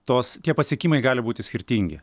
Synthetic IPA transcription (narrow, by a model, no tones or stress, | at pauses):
t̪oːst̪ʲiɛpɐsʲiɛkʲiːmɐɪɡɑːlʲɪbuːt̪ʲɪsʲkʲɪɾʲt̪ʲiŋʲɡʲɪ̰